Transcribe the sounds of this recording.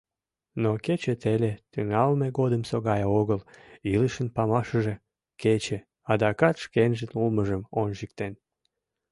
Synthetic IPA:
noket͡ɕet̪elet̪yŋɑlmeɣod̪əmsoɣɑjoɣəliləʃənpɑmɑʃəʒe | ket͡ɕe | ɑd̪ɑkɑt̪ʃkenʒənuməʒəmonʒik̚t̪en

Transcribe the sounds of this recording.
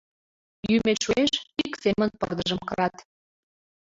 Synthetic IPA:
jymeʃueʃiksemə̆npɤ̰rd̪əʒə̆mkɤ̆ɾɑt̪

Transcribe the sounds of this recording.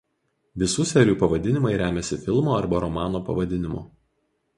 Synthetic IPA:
ʋʲɪsuːsʲɛɾʲuːpɐʋɐd̪ʲɪnʲɪmɐɪɾʲæːmʲɛsʲɪfʲɪlˠmoːɐɾbɐɾɔmɑːnoːpɐ̰ʋɐd̪ʲɪnʲɪmṵː

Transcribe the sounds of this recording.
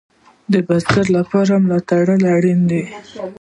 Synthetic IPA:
d̪əbast̪aɾlapɑɾamlɑt̪aɽəlaɽind̪e

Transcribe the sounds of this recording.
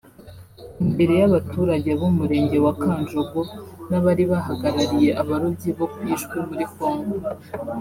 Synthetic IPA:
imbe̞ɾe̞jaβatʰuːɾaɟe̞βumuɾe̞ːɲɟe̞wakaːnd͡ʒoɡonaβaɾiβahaɡaɾaɾije̞ʔaβaɾuɟiβokujiːʃkemuɾiko̞ːŋɡo

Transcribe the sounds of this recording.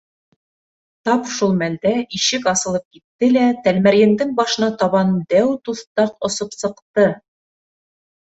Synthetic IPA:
t̪ɑpʃulˠmæld̪æiʃɘkɑsɤ̆lˠɤp̚kit̪ːɘlæt̪ælmæɾjɘ̆nd̪ɘŋbɑʃɤ̆nɑt̪ɑβɑnd̪æwt̪uθt̪ɑqŏsopsɤ̆qt̪ɤ

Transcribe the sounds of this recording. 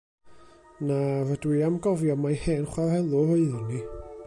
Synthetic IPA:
navədwiamɡɔvjɔmajheːnχwarhɛlˠʊɾoɨðɪni

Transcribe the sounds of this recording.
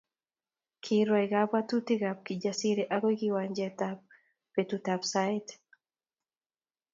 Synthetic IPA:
kʰiɾɔɛɡapat̪ut̪iɡap̚kid͡ʒasiɾeʔaɡɔjkiwaɲd͡ʒɛt̪ap̚ː | et̪ut̪apsait̪

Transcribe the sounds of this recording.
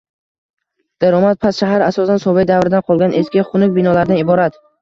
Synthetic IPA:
d̪̥aɾɒmat̪̚pʰasʃaɦaɾasɒsansɒvejd̪avɾɪd̪anqʰɒlˠɡʲanʔe̞skʲɪχʊnʊk̚ʲbɪnɒlaɾd̪anɪbɒɾat̪

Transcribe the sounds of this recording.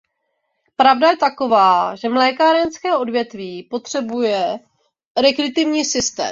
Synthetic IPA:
pɾavdajɛt̪ako̞vaːʒɛmlɛːkaɾɛnskɛːʔo̞dvjɛt̪viːpo̞t̪r̝̥ɛbujɛ | ɾɛkɾɪt̪ɪvɲiːsɪst̪ɛ̰ː

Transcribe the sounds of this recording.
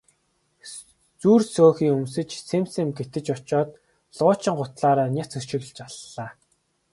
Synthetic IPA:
t͡suːrsoːxiːɵmsɘ̆t͡ɕsʰemsemɡet̪ɘ̆t͡ɕɔt͡ɕɔːt̪ | ɮʊːt͡ɕɪ̆ŋɢʊt̪ɮaːɾaːnʲat͡sɵʃɪ̆ɣ̆ɮt͡ɕaɮːaː

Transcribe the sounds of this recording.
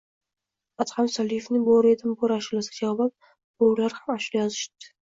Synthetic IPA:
at̪hamsalɪjefnɪboɾed̪ɪmbʊɾaʃulasɡʲad͡ʒavbat̪̚ | b̥ʊlaɾhamaʃulajɒzɪʃt̪ɪ̥

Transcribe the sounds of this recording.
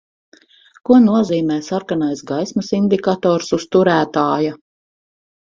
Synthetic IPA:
kunuɔziːmɛːsaɾkanajsɡajsmɐsind̪ikat̪ɔːɾsust̪uɾæːt̪aːja

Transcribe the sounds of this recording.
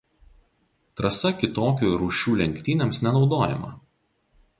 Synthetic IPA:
t̪ɾɐsɐkʲɪt̪oːkʲuːɾuːʃʲuːlʲɛŋʲkʲt̪ʲiːnʲemsnʲɛnɒʊd̪oːjɛ̰mɐ̰

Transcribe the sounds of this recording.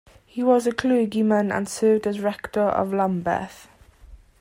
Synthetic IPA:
hiwɒzəkʰl̥ʉːɡimə̃nə̰̃nsəʊdəɹɛktəɹə̰vlãmbə̰ˑθ

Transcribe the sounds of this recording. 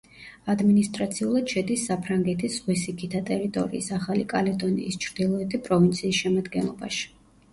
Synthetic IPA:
ad̪minist̪ʼɾat̪sʰiulˠad̪̥ʃɛd̪isːapʰɾaŋɡɛt̪ʰisʁwisikʰit̪ʰat̪ʼɛɾit̪ʼɔ̰ɾḭːsaχalikʼalɛd̪ɔnḭːst͡ʃʰɾd̪ilˠɔɛt̪ʰipʼɾɔvint̪sʰiːsʃɛmad̪ɡɛnlˠɔba̰ʃi̥

